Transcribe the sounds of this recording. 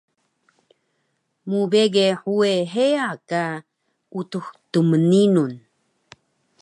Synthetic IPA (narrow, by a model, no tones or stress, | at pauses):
mubeɡeħueɦeaka | utuxtuməninun